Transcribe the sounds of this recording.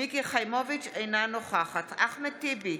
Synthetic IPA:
ikiχajmovit͡ʃejnanoχaχat̪aχmet̪ibi

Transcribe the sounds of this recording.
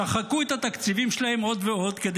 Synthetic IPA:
aχakuet̪hat̪akt͡sivimʃelahe̞mo̞d̪veo̞d̪ked̪

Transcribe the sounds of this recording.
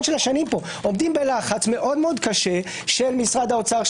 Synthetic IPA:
nʃelaʃanimpo̞ | omd̪imbelaχat͡sme̞ʔo̞d̪meo̞d̪kaʃe̞ | ʃelmisʁad̪aot͡saʁʃ

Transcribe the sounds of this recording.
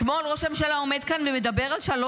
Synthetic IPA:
t̪molʁoʃemʃelaomed̪̚kanvemed̪abe̞ʁalʃalo

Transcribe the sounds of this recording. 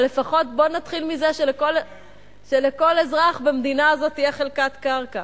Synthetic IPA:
le̞faχo̞tbo̞nat̪χilmize̞ʃelekol | ʃeleko̞le̞zʁaχbemd̪inaːzo̞tːijaχelkatkaʁka

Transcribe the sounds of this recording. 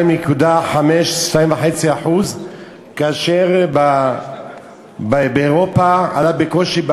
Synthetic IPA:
imjekud̪aħameʃʃt̪aĩmvaħe̞t͡siaħuz | kaaʃeʁb | bebeoʁopaa̰labeko̞ʃib

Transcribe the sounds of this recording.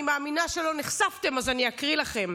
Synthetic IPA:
imaːminaʃelo̞niχsavte̞mazaniakʁilaχe̞m

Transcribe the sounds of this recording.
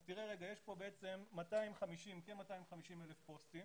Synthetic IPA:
tiʁeʁeɡajeʃpo̞beʔet͡se̞mːataimχamiʃimkenmataimχamiʃime̞lefpo̞stim

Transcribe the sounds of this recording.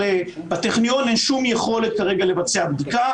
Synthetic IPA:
e | bat̪eχnijo̞nenʃumjeχo̞le̞t̪̚kaʁe̞ɡale̞vat͡se̞abd̪ika

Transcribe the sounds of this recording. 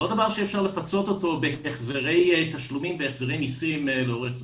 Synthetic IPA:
lod̪avaʁʃiiefʃaʁle̞fat͡so̞t̪o̞t̪o̞beeχzeʁe̞jt̪aʃlumimveeχzeʁejnisimleo̞ʁeχz

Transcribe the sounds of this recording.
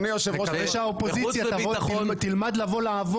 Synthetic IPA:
nijoʃev | ʁɛʃeaopozit͡sjatavot̪ilmad̪lavo̞laːvo

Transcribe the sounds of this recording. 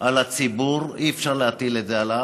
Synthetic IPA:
ʔalat͡sibuʁiefʃaʁleat̪ilet̪zeala

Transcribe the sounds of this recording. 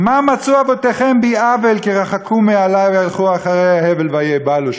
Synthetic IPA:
mamat͡suabot̪eχembiavelkiʁaχakʰumealajvejalχuaχaʁejahevelvajebaluʃ

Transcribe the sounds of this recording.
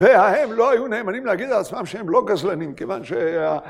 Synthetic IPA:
vehahemlo̞ajune̞ːmanimleaɡid̪alat͡smamʃehemlo̞ɡazlanimkevanʃea

